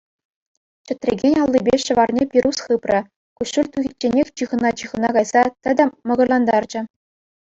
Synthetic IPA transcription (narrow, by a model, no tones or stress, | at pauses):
t͡ɕɘ̆t̪ʲrʲḛɡʲenʲɑlˠːibʲeɕɤ̆ʋɑrnʲepʲiɾusχɯprɤ̆ | kuɕulʲt̪uɣʲit͡ɕːenʲexʲt͡ɕɯʁɤ̆nɑt͡ɕɯʁɤ̆nɑkɑjzɑt̪ʲɘ̆d̪ɑ̆mɤ̆ɡɤ̆rlˠɑnd̪ɑrd͡ʑɘ̆